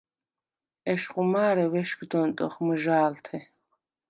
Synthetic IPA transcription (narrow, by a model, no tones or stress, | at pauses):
ɛʃqʼumaːɾɛwɛʃɡd̪ɔnt̪ʼɔχmɨʒaːlt̪ʰɛ